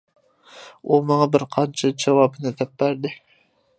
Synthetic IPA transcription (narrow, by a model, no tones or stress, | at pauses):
umɑŋɑbɪɾqʰɑnt͡ʃʰɑd͡ʒɑwɑːbɨnɨd̪ɛp̚bæɾd̪ɪ